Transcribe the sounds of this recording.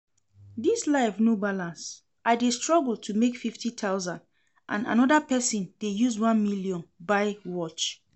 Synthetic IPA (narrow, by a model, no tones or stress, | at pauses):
dislaɪfnubalãns | ʔaɪdestɹɔɡəltʰumekfiftitʰaʊzãnd | ʔã̰na̰nɔdapɛsĩndejuzwãnmiljɔ̃nbaɪwɔt͡ʃ